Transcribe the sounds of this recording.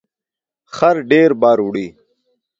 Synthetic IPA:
xɐɾɖeːɾbaːɾuɽiː

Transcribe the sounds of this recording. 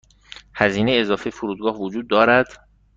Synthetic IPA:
hæziːnejezɒːfejfoɾuːd̪̚ɡɒːhvod͡ʒuːd̪ːɒːɾæd̪̥

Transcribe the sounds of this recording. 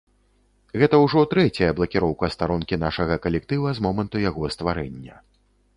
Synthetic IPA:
ɣɛt̪ɐwʐɔt̪ɾɛt͡sʲɐjɐblˠɐkʲiɾɔwkɐst̪aɾɔnkʲinaʂɐɣɐkɐlʲɛk̚t̪ɨvɐzmɔmɐnt̪ujaɣɔst̪vaɾɛ̰nʲːɐ̰

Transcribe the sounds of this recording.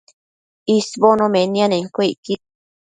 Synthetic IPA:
isβonõmenianeŋkoiki

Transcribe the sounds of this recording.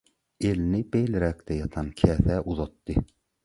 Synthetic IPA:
elnɪbejlɪɾɛk̚ʲt̪ʰɛjɑt̪ʰɑnkʲʰɛːθɛʔuðɑt̪ːɨ

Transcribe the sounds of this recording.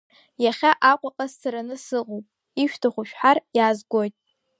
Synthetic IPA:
jaχʲaʔakʷʼaqʼazsaɾanɨsɨqʼowpʼ | iʃᶣtʰaχʷʊʃᶣħarjaːzɡʷo̞jtʼ

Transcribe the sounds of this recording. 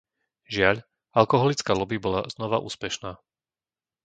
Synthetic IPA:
ʒɪaʎ | alkɔɦɔlit͡skaːlɔbibɔlaznɔʋaʔṵːspɛʃnaː

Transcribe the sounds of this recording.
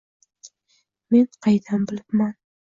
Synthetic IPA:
menqʰɑjd̪ʰambɪlɪpman

